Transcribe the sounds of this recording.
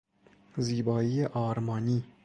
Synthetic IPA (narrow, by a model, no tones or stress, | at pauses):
zibɒːijaʔɒɾmɒni